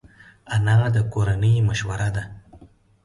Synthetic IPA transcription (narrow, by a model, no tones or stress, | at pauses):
anɑd̪əkoɾanəjmaʃwaɾad̪a